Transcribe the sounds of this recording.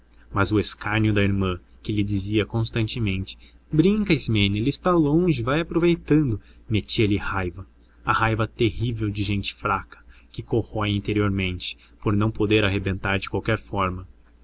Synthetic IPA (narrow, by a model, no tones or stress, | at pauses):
mɐzʊeskaɲjʊd̪ɐiɾmɐ̃ | kɪlɪd͡ʒiziɐkõst̪ɐ̃nt͡ʃɪmẽnt͡ʃɪ̥ | bɾĩŋkɐismẽnelɪst̪alõʒɪvajɐpɾovejt̪ɐ̃nd̪ʊmet͡ʃiɐlɪhajvɐ | ɐhajvɐt̪ehivewd͡ʒɪʒẽnt͡ʃɪ̥fɾakɐ̥kɪkohɔjĩnt̪eɾioɾmẽnt͡ʃɪ̥poɾnɐ̃w̃pod̪eɾaɦebẽnt̪aɾd͡ʒɪkwawkɛɾfɔɾmɐ